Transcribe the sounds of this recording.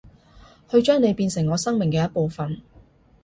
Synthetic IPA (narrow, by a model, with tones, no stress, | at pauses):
hɵ˧ɥt͡ʃœː˥ŋne˨˧jpiː˧nsɪ˨˩ŋːɔː˨˧sɐ˥ŋmɪ˨ŋkɛː˧jɐ˥po˨˧wfɐ˨n